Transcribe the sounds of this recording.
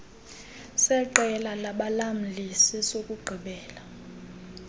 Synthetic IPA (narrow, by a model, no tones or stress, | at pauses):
sɛǃɛlalaɓalam̩lisisokʼuɡ͡ǃʱiɓɛːla